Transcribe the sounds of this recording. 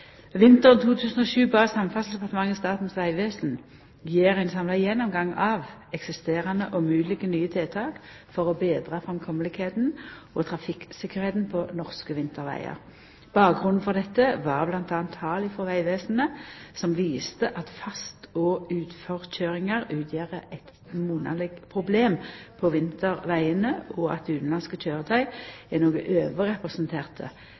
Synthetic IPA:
ʋɪnt̪əʁnt̪ʰuːt̪ʰʉːsn̩ɔʃʉːbɑːʁsɑmfɑsl̩d̪ɛpʰɑʁt̪əmɑŋːst̪ɑːt̪n̩sʋæɪʋeːsn̩ | jeːʁæɪnsɑmlɑɪjɛnːɔmɡɑŋːɑːʋɛksɪst̪eːʁɑnəʔɔmʉːlɪɡənyːət̪ʰɪlt̪ʰɑːk | fɔʁɔbeːd̪ʁɑfʁɑmkʰɔməlɪkheːt̪n̩ | ɔt̪ʰʁɑfɪksɪkːəʁeːt̪n̩pʰɔnɔʁskəʋɪnt̪əʁʋæ̰ɪə̰ʁ | b̥ɑːk̚ɡʁʉnn̩fɔʁd̪ɛt̪ːəʋɑʁblɑnt̪ɑːnt̪hɑːlɪfɔʁʋæɪʋeːsn̩əsɔmʋiːst̪əʔɑt̪fɑst̪ʰɔːʉːt̪fɔʁc͡çøːʁɪŋəʁʉːt̪ʰjøːʁəʔɛt̪ | muːnɑ̰lɪɡpʰʁʊbleːmpʰɔʋɪnt̪əʁʋæɪənəɔɑ̰t̪̚d̪ɛʉːt̪n̩lɑnskəc͡çʰøːʁət̪ʰɑɪænoːɡəʔøːʋəʁɛpʁɛsnt̪ʰeːʁt̪ʰə̰

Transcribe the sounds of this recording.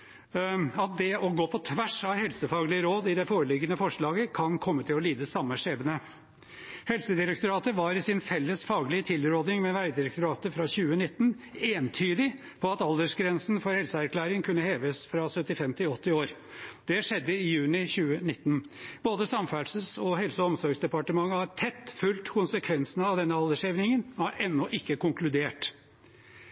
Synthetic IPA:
ɑt̪̚d̪ɛɔɡoːpʰɔt̪ʰʋæʂɑʋhɛlsəfɑːɡəɭɪəɾoːd̪ɪd̪ɛfoːɾəlɪɡənəfɔʂɭɑːɡəkʰɑnkʰɔmːət̪ʰɪlɔliːd̪əsɑmːəʂeːbənə | hɛlsəd̪ɪɾək̚t̪ʊɾɑːt̪əʋɑːɾɪsɪnfɛlːəsfɑːɡəlɪət̪ʰɪlɾoːd̪nɪŋmɛʋæɪd̪ɪɾək̚t̪ʊɾɑːt̪əfɾɑçʉːənɪt̪ːn̩ | eːnt̪ʰyːd̪ɪ | pʰɔɑt̪ɑld̪əʂɡɾɛnsn̩fɔɾhɛlsəæɾkʰlæːɾɪŋkʰʉnːəheːʋəsfɾɑsœt̪ːɪfɛmt̪ʰɪɔt̪ːɪoːɾ | d̪̥ɛʂɛd̪ːəɪjʉːnɪçʉːənɪt̪ːnboːd̪əsɑmfælsəsɔɦɛlsəɔmsɔɾɡsd̪ɛpɑʈəmɑŋːəhɑɾʈʰɛt̪ːfʉlt̪kʰʊnsəkʰʋɛnsənəɑʋd̪ɛnːəɑld̪əʂeːʋnɪŋənɔɑɾʔɛnːɔʔɪkːəkʊŋklʉd̪eːʈ

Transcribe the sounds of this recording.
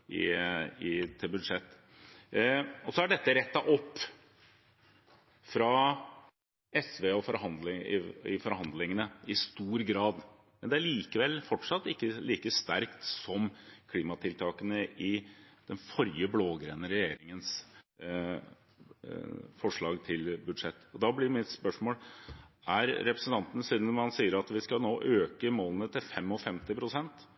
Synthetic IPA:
ɪ̰ɪt̪ʰɪlbʉd̪ʂɛt̪ː | ɔsɔæɖɛt̪ːəɾɛt̪ːɑʔɔpː | fɾɑ | ɛsʋeːɔfɔɾhɑnd̪lɪɪ̰fɔɾhɑnd̪lɪŋənəɪst̪uːɾɡɾɑːd̪ | mɛnd̪ɛæɭiːkəʋɛlfɔʈʂɑt̪ːɪkːəliːkəst̪æɾkt̪sɔmkʰliːmɑt̪ʰɪlt̪ʰɑːkənəʔɪd̪̥ɛnfɔɾjəbloːɡɾɛnəɾɛjeːɾɪŋəns | fɔʂɭɑːɡt̪ʰɪlbʉd̪ʂɛt̪ːɔd̪ɑblɪɾmɪt̪spœʂmoːl | æɾɾɛpɾəsn̩t̪ʰɑnt̪ənəsiːd̪nhɑnsiːəɾɑt̪ʋɪskɑnoːʔøːkəmoːlənət̪ʰɪlfɛmːɔfɛmt̪ɪpʰɾʊsɛnt̪

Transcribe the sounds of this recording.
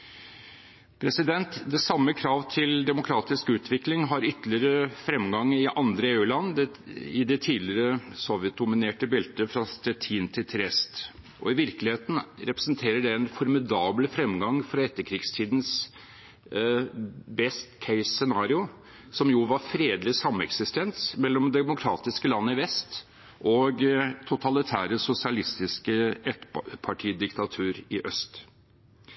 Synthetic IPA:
pʰɾɛsɪd̪ɛnt̪d̪ɛsɑmːəkʰɾɑːʋt̪ʰɪld̪ɛmʊkʰɾɑːt̪ɪskʉːt̪ʰʋɪklɪŋɦɑɾʏt̪lɪəɾəfɾɛmɡɑŋːɪʔɑnd̪ɾəeːʉːlɑnː | ɪd̪ɛt̪ʰiːd̪lɪɾəsɔʋjɛt̪̚d̪ʊmɪneːʈəbɪlt̪əfɾɑst̪ɛt̪ʰiːnt̪ʰɪlt̪ʰɛɾɛst̪ʔɔ̰ɪʋɪɾkəlɪheːt̪n̩ɾɛpɾə̥snt̪ʰeːɾəɖɛɛnfɔɾmɪd̪ɑːbləfɾɛmɡɑŋfɾɑɛt̪ːəkʰɾiːɡst̪ʰiːd̪n̩s | bɛst̪kʰɛɪssɛnɑːɾɪʊ | sɔmjʊʋɑɾfɾeːd̪lɪsɑmːɛksɪst̪ɛnsmɛlːɔmd̪ɛmʊkʰɾɑːt̪ɪskəlɑnːəɪʋɛst̪ | ʔɔɡt̪ʰʊt̪ʰɑlɪt̪ʰæːɾəsʊsɪɑlɪst̪ɪskəɛt̪pʰɑʈʰiːd̪ɪkt̪ɑt̪ʰʉːɾɪʔœst̪

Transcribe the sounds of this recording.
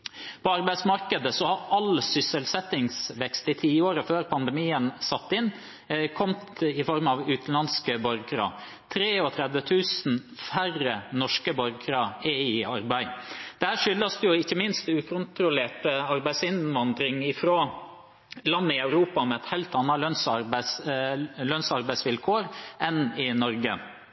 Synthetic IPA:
pʰɔɑɾbæɪsmɑɾkəd̪əsɔhɑɾɑlsʏsəlsɛt̪ːɪŋsʋɛkst̪ɪt̪ʰiːoːɾəføːɾpʰɑnd̪ɛmiːənsɑt̪ːɪn | kʰɔmt̪ɪfɔɾmɑʋʉːt̪n̩lɑnskəbɔɾɡɾɑ̰ | t̪ʰɾeːɔt̪ʰɾɛd̪ʋət̪ʰʉːsn̩ | færənɔʂkəbɔɾɡɾɑɛɪɑɾbæɪd̪̥ɛhæːʂʏlːəsd̪əjʊɪçːəmɪnst̪ʉːkʰɔnt̪ɾʊleːʈəɑɾbæɪsɪnʋɑnd̪ɾɪŋɪfɾoː | lɑnːəɪœʉɾuːpɑmɛɛt̪heɪlt̪ɑnːɑlœnsɑɾbs | lœnsɑɾbæɪsʋɪlkʰoːɾʔɛnɪnɔɾɡə

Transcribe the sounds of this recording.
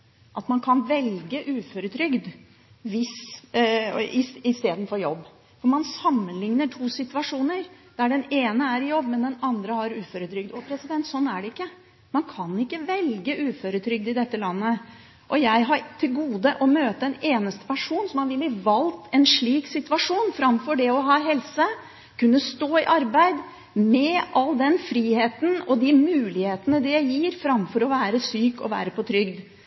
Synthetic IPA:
ʔɑt̪mɑnkʰɑnʋɛlɡəʔʉːføɾʉt̪ʰɾʏɡd̪ | ʋɪs | ɪɪst̪eːd̪n̩fɔɾjɔbː | fɔɾmɑnsɑmːənlɪŋnəʈʰuːsɪt̪ʉɑʂuːnəɾd̪̥æɖɛneːnəæɾjɔbːmɛnd̪ɛnɑnd̪ɾəhɑɾʉːføɾʉt̪ʰɾʏɡ̚d̪ɔpʰɾɛsɪd̪ɛnt̪sɔnːæɖɛɪkːə | mɑnkʰɑnɪkːəʋɛlɡəʔʉːføɾʉt̪ʰɾʏɡ̚d̪ɪd̪ɛt̪ːəlɑnːə | ʔɔjæɪɦɑɾt̪ʰɪlɡuːd̪əʔɔmøːt̪əɛneːnəst̪ə̥pʰæʂuːnsɔmhɑnʋɪlːəʋɑlt̪ʰɛnʂɭiːksɪt̪ʉʋɑʂuːnfɾɑmfɔɖɛɔɦɑːɦɛlsə | kʰʉnːəst̪oːɪʔɑɾbæɪd̪ | mɛʔɑlːd̪ɛnfɾiːheːt̪ənɔd̪ɪmʉːlɪheːt̪ənəd̪ɪjæɪjiːɾfɾɑmfɔɾɔʋæːɾəsyːkɔ̰ʋæ̰ːɾəpɔt̪ʰɾʏɡd̪

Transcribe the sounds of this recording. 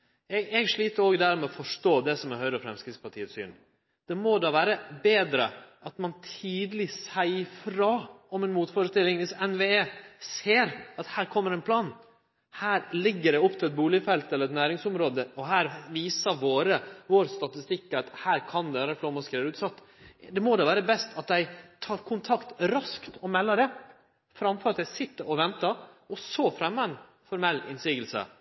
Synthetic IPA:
ɛɡɛɡʂɭiːt̪əɾoːɡd̪æːɾmɛɔfɔʂʈoːd̪ɛsɔmɛhœʏɾəɔfɾɛmskɾɪt̪spɑʈʰiːət̪sy̰ːn | d̪̥ɛmɔd̪ɑːʋæːɾəbeːd̪ɾə̰ʔɑt̪mɑnt̪ʰiːd̪əlɪsæɪfɾɑːɔmɛnmuːt̪fɔːɾəst̪ɪlːɪŋʋɪsɛnʋeːeːseːɾɑt̪hæːɾkʰɔmːəɾɛnpʰlɑːn | hæːɾlɪɡːəɖɛɔpːt̪ʰɪlɛt̪̚buːlɪfɛlt̪ɛlːɾɛt̪næːɾɪŋsʊmɾoːd̪əɔɦæːɾʋiːsəʋoːɾəʋoːɾst̪ɑt̪ɪst̪ɪkːɑt̪hæːɾkʰɑnd̪ɛæːɾəflɔɾmɑskɾeːɾʉːt̪sɑt̪ː | d̪ɛmɔd̪ɛʋæːɾəbɛst̪ɑt̪̚d̪æɪt̪ʰɑːɾkʰʊnt̪ʰɑkt̪ɾɑskt̪ɔmɛlːəɖɛ | fɾɑmfɔɾɑt̪d̪æɪsɪt̪ːəɾʔɔʋɛnt̪ɑ | ɔsofɾɛmːəɛn | fɔɾmɛlːɪnsiːɡəlsə̰

